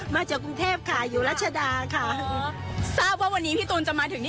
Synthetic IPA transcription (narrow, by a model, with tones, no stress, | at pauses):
maː˧t͡ɕaː˨˩kːɾu˧ŋt̪ʰeː˥˩p̚kʰa˥˩juː˨˩˦ɾaː˦˥˩t̪̚t͡ɕʰa˧daː˧kʰa˥˩ | saː˥˩p̚waː˥˩wa˧nːiː˦˥pʰiː˥˩t̪uː˧nt͡ɕa˨˩ʔmaː˧ɯ˩˦ŋn